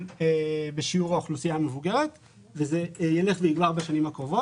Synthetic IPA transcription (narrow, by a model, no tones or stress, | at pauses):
ebeʃiuʁaoχlusijaamevuɡe̞ʁet̪ | vezejele̞χvejiɡvaʁbaʃanimakʁovo